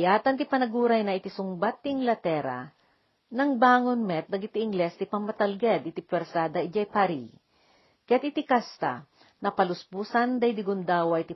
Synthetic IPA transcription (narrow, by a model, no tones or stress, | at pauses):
jaːt̪ɐnt̪ɪpɐnɐɡuːɾɐjnɐʔɪt̪isʊŋbat̪ːɪŋlɐt̪ɛːɾa̰ | nɐŋbaːŋonmɛt̪̚nɐɡɪt̪iʔːŋɡlɛst̪ɪpɐmːɐt̪ɐlɡɛd̪ʔɪt̪ipwɛɾsaːd̪ɐʔid͡ʒɐjpaɾi | kɐjat̪̚ɪt̪ikast̪a̰ | nɐpɐlʊsbuːsɐnd̪ɐjd̪ɪɡʊnd̪aːwɐʔɪt̪i